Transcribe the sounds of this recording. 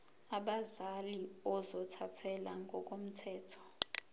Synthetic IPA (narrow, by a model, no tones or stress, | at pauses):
aɓazaliɔzɔtʰatʰɛlaŋɡʱɔk̬ʼom̩tʰɛːtʰɔ̥